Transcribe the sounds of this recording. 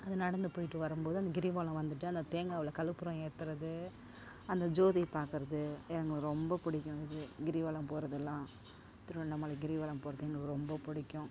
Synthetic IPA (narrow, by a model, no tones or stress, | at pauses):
ɐðɯnɐɽɐnd̪ɯpoːjɪʈːɯʋɐɾɯmboːðɯɐnd̪ɐɡɪɾiʋaːlɐ̃ʋɐnd̪ɯʈːɯɐnd̪ɐt̪eːŋɡaːʋɐlɐkɐlɯpːʊɾɐ̃eːt̪ːɯɾɐðɯ | ɐnd̪ɐd͡ʒoːðipaːɾkɯɾɐðɯɛɐŋɡɐɭɾɔmbɐpʊɽɪkʲːʊ̃ɪðɯɡɪɾiʋaːlɐmpoːɾɐðɛlːãː | t̪ɪɾɯɐɭnɐmːɐːlɐɡɪɾiʋaːlɐmpoːɾɐðɛŋɡɐɭkɯɾɔmbɐpʊɽɪkʲːʊ̃